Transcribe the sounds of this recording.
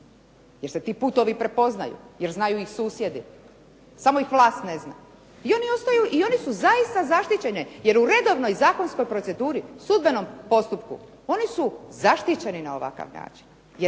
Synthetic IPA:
je̞ɾse̞t̪iːput̪o̞ʋipɾe̞po̞zna̰jṵje̞ɾznajuixsuːsje̞d̪i | samo̞ixʋlˠaːst̪ne̞zna̰ | io̞nio̞st̪ajuʔio̞nisuzaist̪azaʃt̪it͡ɕe̞nije̞ɾuɾe̞d̪o̞ʋno̞jzaːko̞nsko̞jpɾo̞t̪se̞d̪uːɾisud̪̚be̞no̞mpo̞st̪upkṵ | o̞nisuzaʃt̪it͡ɕe̞ninao̞ʋa̰ka̰ʋna̰ːt͡ʃi̥n | je

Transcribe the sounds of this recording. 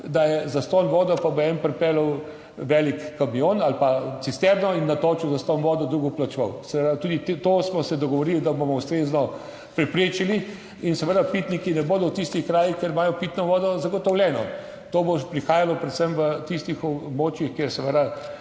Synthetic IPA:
d̪ajɛzast̪oːnʋɔːd̪ɔpaboɛnpɾɛpɛːləw | ʋɛːlikːamijonalpat̪sist̪ɛbnɔinːat̪oːt͡ʃuwzast̪ɔːnʋɔːd̪ɔd̪ɾuɡɔplat͡ʃʋɔwsɛʋəd̪at̪ud̪it̪osmɔsɛd̪ɔɡɔʋɔɾild̪abomɔust̪ɾeznɔ | pɾɛpɾeːt͡ʃili | insɛʋəd̪apit̪nikinɛboːd̪ɔwt̪ist̪ixkɾaːjixkeɾmaːjɔpiːt̪nɔʋɔːd̪ɔzaɡɔt̪ɔwlʲjɛːnɔ | t̪oːbopɾixaːjalɔpɾɛt̪səmʋət̪ist̪ixɔbmoːt͡ʃjixkeɾsɛʋəd̪a

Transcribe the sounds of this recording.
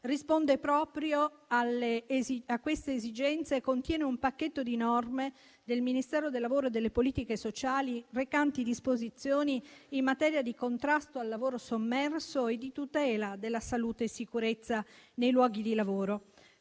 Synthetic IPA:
rispond̪epɾɔːpɾjoalːeziakːwest̪eːzid͡ʒɛnt̪sekont̪jɛːneumpakːet̪ːod̪inɔrme | d̪elminist̪ɛːɾod̪elːavoːɾoed̪ːelːepoliːt̪ikesot͡ʃaːlirekant̪id̪ispozit̪sːjoːniːmːat̪ɛːɾjad̪ikont̪ɾast̪oalːavoːɾosomːɛrsoed̪it̪ut̪ɛːlad̪elːasaluːt̪eːsːikuɾet̪sːanejlwɔːɡid̪ilavoːɾo

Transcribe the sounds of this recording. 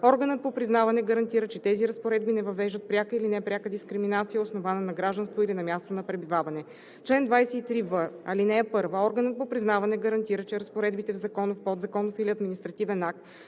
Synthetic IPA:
ɔɾɡənət̪̚popɾiznavɐnɛɡəɾɐnt̪iɾət͡ʃɛt̪ɛziɾɐspoɾɛd̪̚binɛvɐvɛʒd̪ət̪̚pɾʲjakəilinɛpɾʲakəd̪iskɾiminat̪sijəosnovanənɐɡɾaʒd̪ɐnst̪voilinɐmʲjast̪onɐpɾɛbivavɐnɛ | t͡ʃlɛnd̪vajsɛit̪ɾivəɐlinɛɛpɤɾvəɔɾɡənət̪̚popɾiznavɐnɛɡəɾɐnt̪iɾət͡ʃɛɾəspoɾɛd̪bit̪ɛvzɐkɔnofpɔd̪zɐkɔnofiliɐd̪minist̪ɾɐt̪ivɛnak̚t̪

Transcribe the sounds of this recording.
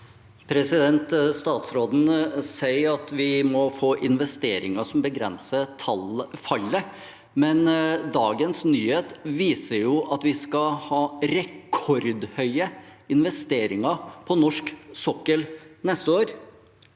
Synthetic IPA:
pʰɾɛsɪd̪ɛnt̪st̪ɑːt̪sɾoːd̪n̩sæɪəɾɑt̪ʋɪmɔfoːʔɪnʋɛst̪eːɾɪŋəʂɔmbəɡɾɛ̰nsət̪ʰɑlfɑlə | mɛnd̪ɑːɡənsnyːheːt̪ʋiːsəɾjʊʔɑt̪ʋɪskɑhɑːɾɛkʰɔɾd̪hœʏəɪnʋɛst̪eːɾɪŋəɾpʰɔnɔʂksɔkːəlnɛst̪əoːɾ

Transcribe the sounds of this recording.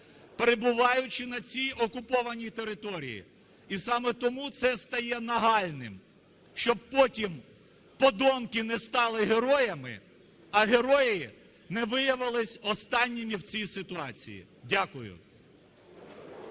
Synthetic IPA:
peɾebʊʋɑjʊt͡ʃɪnɐt͡sʲijɔkʊpɔʋɐnʲijt̪e̞ɾɪt̪ɔɾʲḭjḭ | isɑmɛt̪ɔmut̪sɛst̪ɐjɛnɐɦɑlʲnɪ̰m | ʃt͡ʃɔb̚pɔtʲim | pɔd̪ɔmkɪnɛst̪ɑlˠɪɦeɾɔjɐmɪ̰ | ɐɦeɾɔjɪ | nɛʋɪjɐʋɪlˠɪsʲɔst̪ɑnʲːimʲiwt͡sʲijsɪt̪ʊɑt͡sʲḭjḭ | dʲakʊjʊ̰

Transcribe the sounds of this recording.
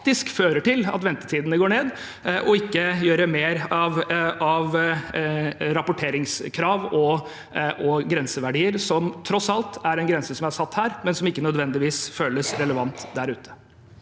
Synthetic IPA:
t̪ɪskføːɾəʈɪlɑ̰t̪ʋɛnt̪ət̪ʰiːd̪ənəɡoːɳeːd̪ | ʔɔɪkːəjøːɾəmeːɾɑʋɑʋ | ɾɑpʊʈʰeːɾɪŋskʰɾɑːʋɔ | ɔɡɾɛnsəʋæɖiːəɾsɔmt̪ʰɾɔsɑlt̪æɾɛnɡɾɛnsəsɔmæsɑt̪ːhæːɾmɛnsɔmɪkːənœd̪ʋɛnd̪ɪʋiːsføːləsɾɛləʋɑnt̪d̪æɾʉːt̪ʰə̥

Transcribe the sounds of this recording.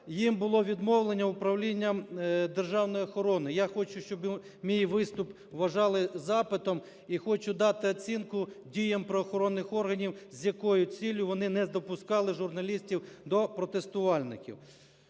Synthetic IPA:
jimbʊlˠɔʋʲid̪mɔwlˠenʲːɐʊpɾɐwlʲinʲːɐmd̪erʒɑwnɔjɔxɔɾɔnɪjaxɔt͡ʃʊʃt͡ʃɔb | mʲijiʋɪst̪ʊp | ʋɐʒɑlˠɪzɑpɪt̪ɔm | ixɔt͡ʃʊd̪ɑt̪ɪɐt͡sʲinkʊdʲijɐmpɾɔːxɔɾɔnːɪxɔrɦɐnʲiwzʲjɐkɔjʊt͡sʲilʲjʊʋɔnɪnɛzd̪ɔpʊskɑlˠɪʒʊrnɐlʲisʲtʲiwd̪ɔpɾɔt̪est̪ʊʋɑlʲnɪ̰kʲḭw

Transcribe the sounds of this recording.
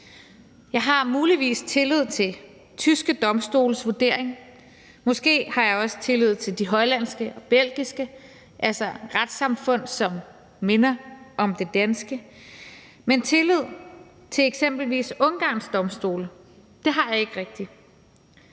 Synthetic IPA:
jɑ̈ɪɦɑ̈muːliʋḭːst͡sʰe̝lyð̞̰ˠt͡sʰe̝ | t͡sʰysɡ̥əd̥ɒ̽msd̥o̝̰ːləsʋuɐd̥e̝ɐ̰eŋ | mɔ̽sɡ̥e̝̰ːhɑ̈jɑ̈ɪɒ̽sə̥t͡sʰe̝lyð̞̰̩ˠt͡sʰe̝ld̥iɦɒ̽ɪlæn̰sɡ̥əʔɒ̽b̥el̰ɡ̥isɡ̥ə | ʔælsɐʁad̥sɑ̈mfɔ̽n̰sɒ̽mː | e̝nɐʔɒ̽md̥e̝d̥ænsɡ̥ə | ment͡sʰe̝lið̞̰ˠ | t͡sʰe̝eɡ̥sem̰b̥l̩ʋḭːsɔ̽nɡ̥ɑ̰̈ːnsd̥ɒ̽msd̥o̝̰ːlə | d̥e̝ɦɑ̈jɑ̈e̝ɡ̥əʁɛɡ̥̚d̥i

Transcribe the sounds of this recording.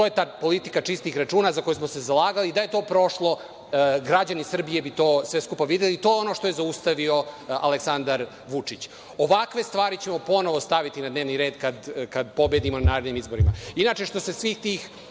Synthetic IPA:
t̪ojet̪aːpo̞lit̪ikat͡ʂist̪ixɾat͡ʂuːnazako̞jusmose̞zalaːɡalid̪aje̞t̪o̞ːpɾo̞ʃlˠo̞ | ɡɾad͡ʑanisr̩bije̞bit̪o̞ːsʋe̞skupaʋid̪jelit̪o̞ːjeo̞no̞ːʂt̪o̞je̞zaust̪aʋio̞a̰leksand̪aɾ | ʋut͡ʂit͡ɕ | oʋakʋe̞st̪ʋaːɾit͡ɕe̞mo̞po̞no̞ʋo̞st̪aʋit̪inad̪ne̞ːʋniɾe̞ːd̪kad̪kad̪po̞bjed̪imonanaːɾed̪nimizbo̞ɾima̰inat͡ʃeʂt̪o̞se̞sʋixt̪iːx

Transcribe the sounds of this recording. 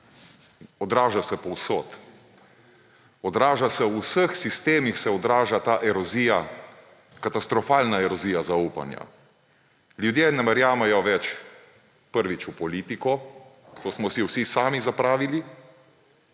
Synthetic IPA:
ɔd̪ɾaːʒasɛpɔwsoːt̪ | ɔd̪ɾaːʒasɛwusəxsist̪eːmixsɛɔd̪ɾaːʒat̪aːʔɛɾɔzija | kat̪ast̪ɾɔfaːlnaɛɾɔziːjazauːpa̰nja̰ | ljud̪jenɛmaɾjaːmajɔʋɛt͡ʃ | pəɾʋit͡ʃupɔliːt̪ikɔ | t̪oːsmɔwsiwsisaːmizapɾaːʋili

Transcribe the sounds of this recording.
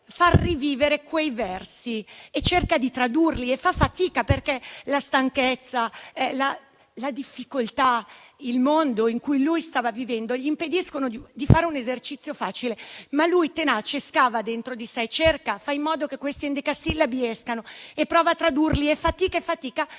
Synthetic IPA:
farːiviːveɾekwejvɛrsiet͡ʃːerkad̪it̪ɾad̪urliefafːat̪iːkaperkelast̪aŋket̪sːala | lad̪ifːikolt̪ailmond̪oiŋkujlujst̪aːvavivɛnd̪oʎiːmped̪iskonod̪id̪ifaːɾeunezert͡ʃit̪sːjofaːt͡ʃilemalujt̪enat͡ʃeskaːvad̪ent̪ɾod̪isɛt͡ʃerkafaimːɔːd̪okekwest̪iɛnd̪ikasilabiɛskanoepːɾɔːvat̪ːɾad̪urliefːat̪iːkaefat̪iːka

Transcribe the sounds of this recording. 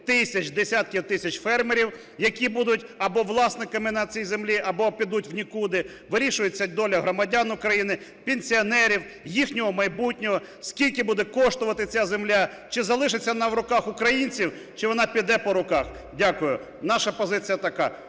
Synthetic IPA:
t̪ɪsʲɐt͡ʃd̪esʲat̪̚kʲiwt̪ɪsʲɐt͡ʃfɛrmeɾʲiw | jɐkʲibud̪ʊt̚ʲɐbɔʋlˠɑsnɪkɐmɪnɐt͡sʲijzemlʲiʔɐbɔpʲid̪ut̚ʲwnʲikud̪ɪ | ʋɪɾʲiʃʊjʊt͡sʲːɐd̪ɔlʲɐɦɾɔmɐdʲanʊkɾɐjinɪpʲenʲsʲiɔnɛɾʲiw | jixnʲɔɦɔmɐjbutʲnʲɔɦɔskʲilʲkɪbud̪ɛkɔʃt̪ʊʋɐt̪ɪt͡sʲazemlʲa | t͡ʃɪzɐlˠɪʃɪt͡sʲːɐnɐwɾʊkɑxʊkɾɐjinʲt͡sʲiw | t͡ʃɪʋɔnɑpʲid̪ɛpɔɾʊkɑx | dʲakʊjʊ | nɑʃɐpɔzɪt͡sʲijɐt̪ɐka

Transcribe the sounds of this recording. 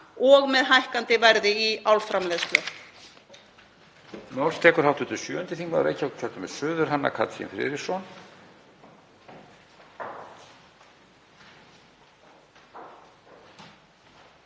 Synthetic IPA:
ɔɣmɛðɦajhkant̪ɪvɛɾðɪiawlfɾamlɛðsp̪lœ | mawlst̪ʰɛːkʏɾ̥hawt̪ʏt̪ʏsjœːʏnt̪ɪθiŋkva̰ðɾḛjcʰːawt̪̚cʰœɾt̪ʏmɛðsʏːðʏɾ̥ɦanːa̰kʰa̰t̪sɛ̰nfɾɪ̰ɾɪsɔn

